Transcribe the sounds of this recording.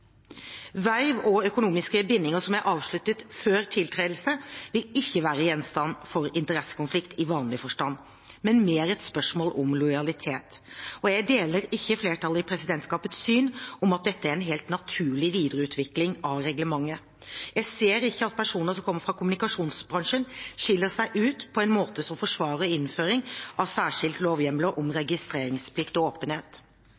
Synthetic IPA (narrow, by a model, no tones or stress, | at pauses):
ʋæɪʋɔœkʊnuːmɪskəbɪnːɪŋəsɔmjæɪʔɑːʋʂɭʉt̪ːət̪føːɾt̪ʰɪlt̪ʰɾeːl̩səʋɪlɪçːəʋæːɾəjɛnst̪ɑnːfɔɾɪnt̪əɾɛsːə̥kʊnflɪkt̪ʰɪʋɑːnlɪfɔʂʈɑn | mɛnmeːɾɛt̪spœʂmoːlɔmlɔɪɑlɪt̪ʰeːt̪ɔjæɡd̪eːləɾɪçːəfleːʈʰɑlːɪpʰɾɛsɪd̪ɛnt̪skɑːpət̪sːyːnɔmɑt̪̚d̪ɛt̪ːəæɾɛnɦeːlt̪nɑt̪ʰʉːɭɪʋiːd̪əɾəʉːt̪ʰʋɪklɪŋɑʋɾɛɡləmɑŋːə | jæɪseːɾɪçːəɑt̪̚pʰæʂuːnəsɔmkʰɔmːəɾfɾɑkʊmʉnɪkɑʂuːnsbɾɑŋʂənʂɪlːəʂæɪʔʉːt̪pʰɔɛnmoːt̪əsɔmfɔʂʋɑːɾəɪnːføːɾɪŋʔɑʋsæːʂɪlt̪loːʋjɛmləʔɔmɾɛɡɪst̪ɾeːɾɪŋspʰlɪkt̪ɔoːpənheːt̪